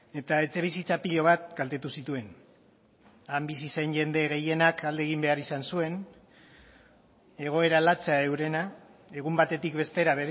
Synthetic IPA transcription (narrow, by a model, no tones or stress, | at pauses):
e̞t̪ae̞t͡se̞β̞isit͡sapiʎo̞β̞at̪̚ɡalt̪e̞t̪usit̪ue̞n | ambisise̞nʝe̞nd̪e̞ɣ̞e̞je̞nakald̪eɣ̞imbe̞aɾisansue̞n | e̞ɣ̞o̞e̞ɾalat͡seae̞wɾe̞na | e̞ɣ̞umbat̪e̞t̪ikβe̞st̪e̞ɾaβeɾ